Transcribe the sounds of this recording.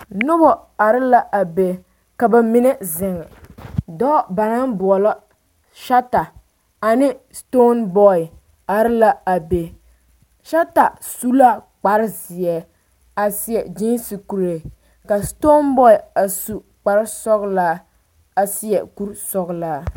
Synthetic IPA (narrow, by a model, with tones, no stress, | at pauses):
nʊ˦bɔ˨a˨ɾɪ˦la˦ʔa˨be˨ | ka˨ba˨mi˦nɛ˦zɪ˨ŋ˨dɔ˦ba˨na˦nbʊ˨ɔ˨lɔ˦ | ʃa˦ta˨ | a˨nɪ˦sto˦nbɔ˦ɪ˨ | a˨ɾɪ˦la˦a˨be˨ | ʃa˦ta˨ | su˦la˦k͡pa˨ɾɪ˦zɪ˨ɛ˨ | a˨sɪ˦jɛ˨d͡ʒi˦nsi˨ku˨ɾe˨ | ka˨sto˦nbɔ˦ɪ˨a˨su˦ | k͡pa˨ɾɪ˦sɔ˦ɣla˦ | a˨si˦ɛ˨ku˦ɾsɔ˦ɣlaː˦